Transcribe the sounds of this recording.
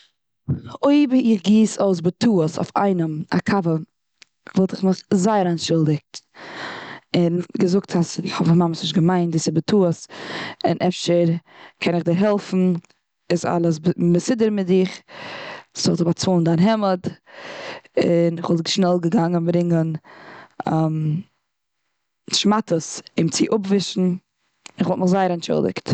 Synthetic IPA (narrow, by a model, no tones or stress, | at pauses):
oɪbɪχɡiːsoɪs̬bətʰuːəso̰ʊfa̰ɪnəma̰kʰavə | vɔlˠtɪχmɪχzaɪəɾaɪnʃɪlˠdɪk̚t | ɪnɡəzʊk̚tʰasɪχhɔbmaməsnɪʃɡəmaɪntdɪsɪbətʰuəsɪ̰nʔɛfʃəɾkʰɛnɪχdiɾɦɛlˠfn̩ | ɪsa̰lˠəsbəsɪdəɾmɪtɪχ | dɔlˠzɪbat͡suːlˠn̩daːnɦɛməd | ɪnɪχvɔlˠtɪʃnɛlˠɡəɡaŋənbɾɪŋən | am | ʃmatəsɪmt͡sɪʔʊpvɪʃn̩ | ɪnɪχvɔlˠtmɪχzaɪəɾɛntʃʊ̰lˠdɪ̰kt